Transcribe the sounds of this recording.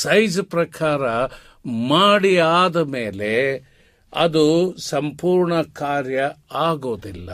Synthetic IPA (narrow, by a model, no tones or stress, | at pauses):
sɐjd͡ʒpɾɐkʰaːɾɐ | maːɽiaːd̪ɐmeːle̞ | ɐ̰d̪usɐmpuːɾɳɐkaːɾjɐaːɡo̞ːd̪ilːɐ̰